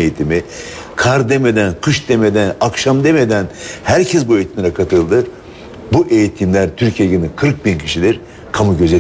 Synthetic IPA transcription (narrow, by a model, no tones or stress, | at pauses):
ejit̪ʰimi | kʰaɾd̪e̞me̞d̪ænkʰɯʃd̪e̞me̞d̪ænakʃamd̪e̞me̞d̪ænhæɾcʰɛsbue̞jit̪ʰimlʲɛkʰat̪ʰɯlˠd̪ɯ | buʔe̞jit̪ʰimlʲæɾt̪ʰyɾcʰijeɟɯɾnikʰɯɾk̚bincʰiʃilʲiɾ | kʰamuɟøzɛ